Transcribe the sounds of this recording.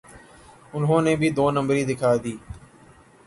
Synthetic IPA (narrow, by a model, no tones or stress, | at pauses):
ʊnɦõːnẽːbʱiːd̪oːnəmbɾiːd̪ɪkʰaːd̪iː